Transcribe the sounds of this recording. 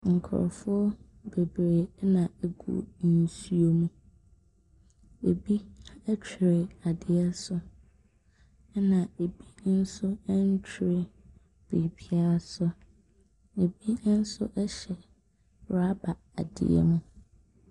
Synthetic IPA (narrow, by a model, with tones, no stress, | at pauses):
ŋ̩˨kʰɔ̰˨ɾ̰fʊ˦ɔ˦ | be˨bɾe˨˦nã˨e˦ɡṵ˦˨n̩˦su˦o˦nũ˦ | e˨bi˦ɛ˦t͡ɕʰᶣi˨ɾɪ˨a˨dɪ˨ɛ˦sʊ˦ | nã˨e˨bi˦n̩˦sʊ˦ɛ˦n̩˦t͡ɕʰᶣɾɪ˨ | b̥i˨pʰi˦a˦sʊ˦ | e˨bi˦n̩˦sʊ˦ʔɛ˦ɕɛ˨ | ɾa˦ba˨ | a˨dɪ̰˨ɛ̰˦mũ˦